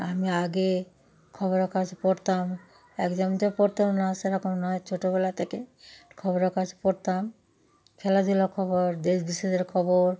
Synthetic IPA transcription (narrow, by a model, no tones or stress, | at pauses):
amiaɡe | kʰɔβoɾeɾkad͡ʑʰpɔɾt̪am | ɛkd͡ʒɔmt̪opoɾt̪amnaseɾɔkomnɔet͡ʃʰoʈoβɛlat̪ʰekekʰɔboɾeɾkad͡ʑʰpoɾt̪am | kʰɛlad̪ilokʰɔboɾd̪eʃbiʃed̪eɾkʰɔboɾ